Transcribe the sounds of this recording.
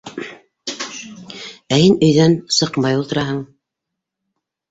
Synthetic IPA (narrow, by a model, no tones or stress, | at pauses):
æhinɵ̆jðænsɤ̆qmɑjulˠt̪ɤ̆ɾɑɦɤɴ